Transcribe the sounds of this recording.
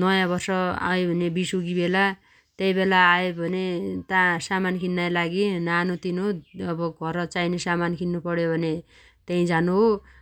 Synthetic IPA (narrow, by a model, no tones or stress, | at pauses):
nʌjãbʌrsʌa̰webʱʌnebisuɡibela | t̪eĩbelaːebʱʌnet̪ãsamankʰinːajlaɡinanut̪inoʌbʌɡʱʌɾʌt͡sainesamankʰinːupʌɽjobʱʌne | t̪eĩd͡zanuɦo